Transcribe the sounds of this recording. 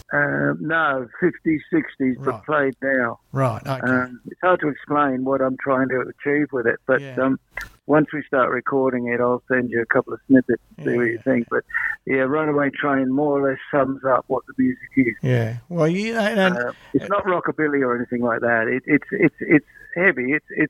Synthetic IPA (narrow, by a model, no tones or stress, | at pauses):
ʌnoʊfɪftisɪkstizbəpʰl̥eɪdⁿnaʊɹaɪtʌ̃mɨtshɑɹd̚tʰɨɨksplẽɪ̃nwʌɾãɪ̃mtʰɹ̥aɪɪ̃ŋtʰɨːt͡ʃʰivwɪðɪ̰t̚b̥ʌt̚ʌ̃m | wʌ̃nswistɑɹʔɹɨkʰɔɹɾɪ̃ŋɪɾaɪlˠsɛ̃nd͡ʒɨɨkʰʌpl̩ˠʌv̥snɪpɨtsn̩siwʌt͡ʃɨθɪ̃ŋk̚b̥ʌt̚jæɹʌ̃nəweɪɨ̃ntʰɹ̥eɪɪ̃ŋmɔɹə˞lɛsʌ̃mzʌp̚wʌt̪̚ðəmjʉzɨkɪz̥jæwɛljʌ̃ɨtsnət̚ɹɑkəbɪlˠiə˞ɛniθɪ̃ŋlaɪk̚ðæɾɪtɪtsɪtsɪtshɛviɪtsɪt